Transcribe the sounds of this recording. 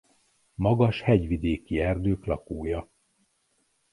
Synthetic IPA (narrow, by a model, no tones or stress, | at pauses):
mɒɡɒʃhɛɟʋid̪eːkiɛrd̪øːklɒkuːjɒ